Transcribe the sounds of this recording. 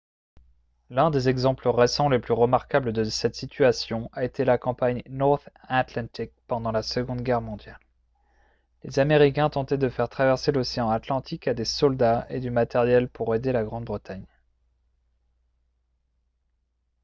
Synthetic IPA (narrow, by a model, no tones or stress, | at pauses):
lɛ̃d̪ezɛɡzɑ̃pləʁesɑ̃leplyʁəmaʁkabləd̪əsɛt̪sit̪yasjɔ̃aet̪ʰelakɑ̃paɲnɔʁt̪at̪lɑ̃t̪ik̚pɑ̃d̪ɑ̃lasəɡɔ̃d̪ɡʲɛʁmɔ̃d̪jal | ezameʁikʲɛ̃t̪ɑ̃t̪ɛd̪əfɛʁt̪χavɛʁseloseɑ̃at̪lɑ̃t̪ʰikad̪esɔld̪aed̪ymat̪ɛʁjɛlpuʁed̪elaɡʁɑ̃d̪bʁət̪aɲ